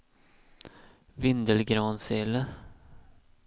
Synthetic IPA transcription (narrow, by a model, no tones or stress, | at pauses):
vɪnd̪əlɡɾɑːnseːlə